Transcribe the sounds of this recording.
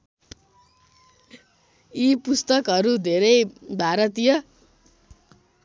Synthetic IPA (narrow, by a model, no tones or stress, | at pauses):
ipust̪ʌkɦʌɾud̪ʱeɾʌjbʱaɾʌt̪ijʌ